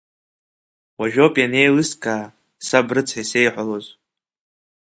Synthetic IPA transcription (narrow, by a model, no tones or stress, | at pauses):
waʒᶣo̞pʼjane̞jlɨskʼʰaː | sabrɨt͡sʰħase̞jħʷaloz